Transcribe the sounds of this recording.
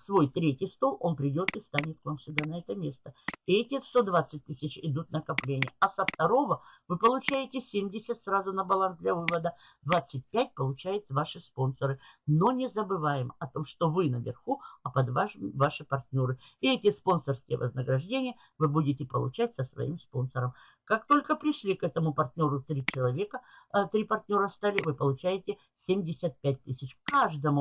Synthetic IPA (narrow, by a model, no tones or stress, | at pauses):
svo̞jt̪ɾʲetʲɪjst̪o̞lˠo̞npɾʲɪdʲo̞t̪ɨst̪anʲɪt̪̚kvamsəd̪anɐɛt̪əmʲe̞st̪əɪɛtʲɪst̪o̞d̪vat̪sːɨt̚ʲt̪ɨsʲɪt͡ɕɪd̪ut̪̚nəkɐplʲenʲɪjəɐsəft̪ɐɾo̞vəvɨpəlˠʊt͡ɕæjɪtʲɪsʲemʲdʲɪsʲət̪ʲsrazʊnəbɐlˠansd̪lʲɐvɨvəd̪ə | d̪vat̪sːɨt̚ʲpʲæt̚ʲpəlˠʊt͡ɕæjʊt̪svaʂɨspo̞nsəɾɨ | no̞nʲɪzəbɨvajɪmɐt̪o̞mʂt̪o̞vɨnəvʲɪ̰rxuɐpɐd̪vaʂɨmvaʂɨpɐrt̪ʲnʲo̞ɾɨ | ɪɛtʲɪspo̞nsərskʲɪjə̰və̰znəɡɾɐʐdʲenʲɪjə | vɨbudʲɪtʲɪpə̰lˠʊ̰t͡ɕætʲsəsvɐ̰ḭmspo̞nsəɾəm | kak̚t̪o̞lʲkəpɾʲɪʂlʲikɛt̪əmʊpɐrt̪ʲnʲo̞ɾʊt̪ɾʲit͡ɕɪlˠɐvʲe̞kət̪ɾʲipɐrtʲnʲo̞ɾəst̪alʲɪvɨpəlˠʊt͡ɕæjɪtʲɪ | sʲemʲdʲɪsʲət̪̚pʲæt̚ʲt̪ɨsʲɪt͡ɕkaʐd̪əmʊ